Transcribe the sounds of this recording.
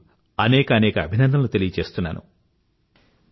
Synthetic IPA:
ɐnɛːkɐːnɛːkɐːbʱinɐnd̪ʱɐmnut̪elijɐt͡ʃe̞ːst̪unːa̰ːnṵ

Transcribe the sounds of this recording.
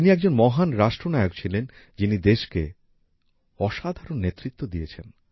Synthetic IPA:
t̪iniɛɡ̚d͡ʑonmɔɦanɾaʃʈɾonaeok̚t͡ɕʰilen | d͡ʑinid̪eʃke | ɔʃad̪ʱaɾonːet̪ːɾit̪ːod̪iet͡ɕʰen

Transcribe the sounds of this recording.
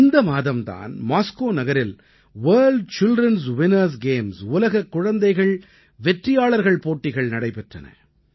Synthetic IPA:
ɪnd̪ɐmaːðɐmt̪a̰ːnmaːskoːnɐɣɐɾɪl | ʋɐːɭɖ̚t͡ʃɪldrɐns̬ʋɪnɐɾs̬ɡeːmsʊlɐɣɐkːʊɻɐnd̪ɐɪɣɐɭ | ʋɛʈrɪjaːɭɐɾɣɐɭpoːʈːɪɣɐɭnɐɽɐɪpɛʈrɐ̰nɐ̰

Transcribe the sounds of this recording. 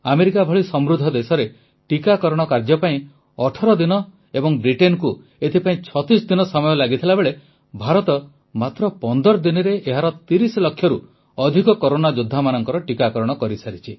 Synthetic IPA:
ameɾikabʱɔɭisɔmɾud̪ʱɔd̪esɔɾe | ʈikakɔɾɔɽ̃ɔkaɾd͡ʒɔpaĩ | ɔʈʰɔɾɔd̪inɔ | ebɔŋbɾiʈenku | et̪ʰipaĩt͡ʃʰɔt̪isd̪inɔsɔmɔjɔlaɡit̪ʰilabeɭe | bʱaɾɔt̪ɔ | mat̪ɾɔpɔnd̪ɔɾɔd̪inɔɾeʔeɦaɾɔt̪iɾislɔkʰːjɔɾu | ɔd̪ʱikɔkoɾonad͡ʒud̪ʱːamanɔŋkɔɾɔʈikakɔɾɔɽ̃ɔkɔɾisaɾit͡ʃʰi

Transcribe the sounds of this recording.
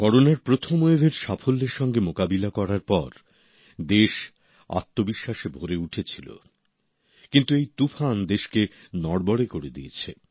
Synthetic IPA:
kɔɾonaɾpɾot̪ʰomoebʱeɾʃafolːeɾʃɔŋɡemokabilakɔɾaɾpɔɾ | d̪eʃ | a̰t̪ːobiʃːaʃebʱoɾeuʈʰet͡ɕʰilo̰ | kint̪uejt̪ufʰand̪eʃke | nɔɽbɔɽekoɾed̪iet͡ɕʰe

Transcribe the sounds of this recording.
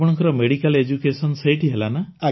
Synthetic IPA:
pɔɽ̃ɔŋkɔɾɔmeɽikaled͡ʒukesɔnsejʈʰiɦelanaa

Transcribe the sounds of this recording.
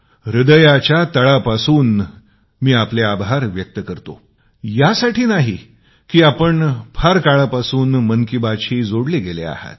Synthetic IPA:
ɾid̪əjat͡ɕjat̪əɭapasuːn | miːapleabʱaɾʋjək̚t̪əkəɾt̪o̰ | jasaʈʰiːnaɦi | kiːapəɳpʰaɾkaɭapasuːnmənkibat͡ɕʰiːd͡zoɽleɡelea̰ha̰t̪̚

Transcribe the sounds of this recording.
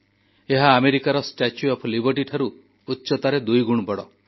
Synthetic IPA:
eɦaːmeɾikaɾɔsʈat͡ʃjuɔpʰlibɔʈiʈʰaɾuː | tːt͡ʃɔt̪aɾed̪ujɡuɽ̃bɔɽɔ

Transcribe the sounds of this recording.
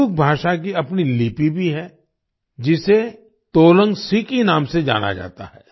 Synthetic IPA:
ʊk̚bʱaːʃak̬iɐpnilipibʱiɦɛ | d͡ʒɪse | t̪oːlə̃ŋɡsikinaːmsed͡ʒa̰ːna̰d͡ʒa̰ːt̪a̰ɦɛː

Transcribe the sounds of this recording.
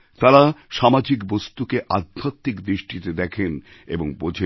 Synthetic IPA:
t̪aɾaʃamad͡ʑikbost̪ukeʔad̪ʱːat̪ːikd̪ɾiʃʈit̪ed̪ɛkʰen | ḛboŋbod͡ʑʱe

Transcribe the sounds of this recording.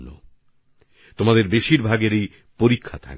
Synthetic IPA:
no̰ | t̪omad̪eɾbeʃiɾbʱaɡeɾej | poɾikʰːat̪ʰa̰k

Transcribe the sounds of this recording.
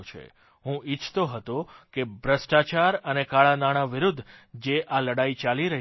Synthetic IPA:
t͡ʃʰḛ | ɦũʔit͡ʃʰt̪oɦət̪õkebɾəsʈat͡ʃaɾənekaɭanaɽ̃aʋiɾud̪ʱːd͡ʒeʔaləɽait͡ʃaliɾəɦ

